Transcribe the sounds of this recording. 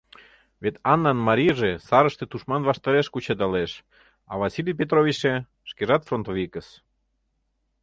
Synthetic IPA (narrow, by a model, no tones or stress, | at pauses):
vet̪ɑnːɑnmɑɾʲijʒesɑɾəʃt̪et̪uʃmɑnβɑʃt̪ɑɾeʃkut͡ɕed̪ɑleʃ | ɑ̰βɑsilʲijp̬ʲet̪̬ɾovʲit͡ɕe | ʃkeʒɑt̪front̪ovʲikəs